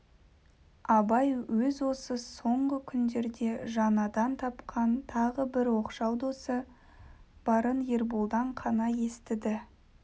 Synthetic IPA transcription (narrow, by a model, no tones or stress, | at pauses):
ɑbɑjwɵzwo̞səso̞ɴʁəkʲʰʏnd̪e̞ɾd̪e̞ʒɑnɑd̪ɑnt̪ʰɑpqʰɑnt̪ʰɑʁəbɪɾwo̞qʃɑwd̪osə | b̥ɑɾənjeɾbulˠd̪ɑɴqʰɑnɑje̞st̪ɪd̪ɪ